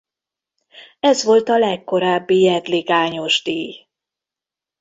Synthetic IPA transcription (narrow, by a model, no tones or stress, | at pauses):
ɛzʋo̞lt̪ɒlɛkːo̞ɾaːbːijɛd̪liɡaːɲo̞ʒd̪iːj